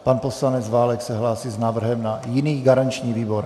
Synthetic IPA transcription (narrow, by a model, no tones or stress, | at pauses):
panposlanɛd͡zvaːlɛksɛɦlaːsiːznaːvr̩ɦɛmnajɪniːɡaɾant͡ʃɲiːviːboɾ